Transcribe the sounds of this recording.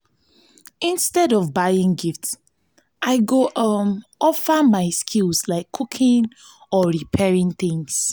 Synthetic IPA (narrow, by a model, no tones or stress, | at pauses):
ĩnstɛdɔvbaɪĩŋɡifts | ʔaɪɡoʔʌmɔfamaɪskʰilslaɪkʰːukʰĩŋ | ɔɹipʰɛɹĩŋθĩŋs